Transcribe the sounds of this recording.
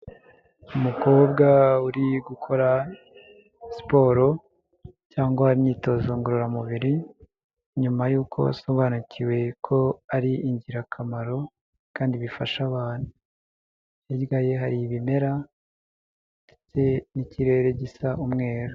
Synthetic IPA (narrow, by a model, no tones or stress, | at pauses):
umuko̞b̚ɡauɾiɡukʰo̞ɾa | si̥po̞ːɾo̞ | caːŋɡwaaɾiniːto̞zoŋɡuɾuɾamuβiɾi | ɲumajuːkʰo̞̰a̰so̞βaːnuciwe̞kʰo̞aɾiiɲɟiɾakʰamaɾo̞ | kaːndiβifaʃaβaːn̥hu | jiɟɡaje̞ɦaɾiβime̞ɾa | fit͡se̞niciɾe̞ɾe̞ɟisaumŋe̞ːɾo